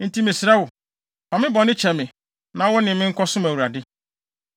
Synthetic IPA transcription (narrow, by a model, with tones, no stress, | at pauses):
n̩˦tʰi˦mɪ̃˨sɾa˦wʊ˨ | pʰã˨mɪ̃˦bɔ˨nɪ̃˦t͡ɕʰɛ˨mɪ̃˨ | nã˨˦wɔ˦nɪ̃˨mɪ̃˦ŋ̩˦kʰɔ˦sʊ̃˦mæ˨wu˨a˨dɪ˦